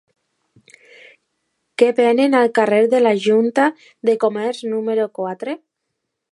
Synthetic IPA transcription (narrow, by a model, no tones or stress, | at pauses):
kebenenalkareɾðelaʒunt̪a | ðekomɛɾznumeɾokwat̪ɾe